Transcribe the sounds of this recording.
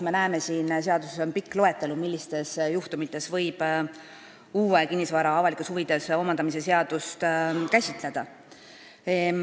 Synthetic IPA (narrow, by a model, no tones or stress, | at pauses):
me̞næeme̞siːnseɑd̪̥useso̞npikːˑlo̞e̞t̪ːˑe̞lumilʲːist̪e̞sjuht̪umit̪ːˑe̞svɤ̞jb̥ | uːekinʲːisvɑːɾɑɑvɑlikeshuvid̪̥e̞so̞mɑnd̪ɑmise̞seɑd̪̥ust̪kæsʲit̪ˑle̞d̪̥ɑ